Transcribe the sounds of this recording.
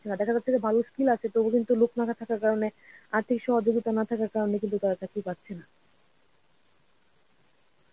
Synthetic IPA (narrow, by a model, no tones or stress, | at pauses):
t͡ɕʰenad̪ɛkʰad͡ʑat̪ʰːekebʱaloskilat͡ɕʰet̪obokint̪uloknakʰat̪ʰakaɾkaɾoneaɾt̪ʰikʃɔɦod͡ʑoɡit̪anat̪ʰakaɾkaɾonekint̪ut̪aɾatakipatːɕʰena